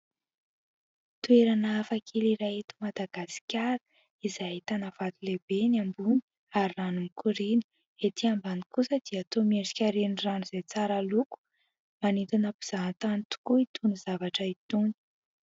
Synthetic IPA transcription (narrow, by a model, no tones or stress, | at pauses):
t̪ueɾanaafakʰeliɾaet̪umad̪aɡ̥asi̥kʲaɾə̥ | izajait̪anav̥at̪uleb̥enambuni̥ | aɾiranumikuɾini̥ | et̪ʰiambanikusəd̪̥iat̪omeʈ͡ʂi̥kʲaɾeniranuzet͡saɾaluku̥ | manit̪unapi̥z̥ant̪anit̪u̥kuit̪ʰunizavaʈ͡ʂəit̪uni̥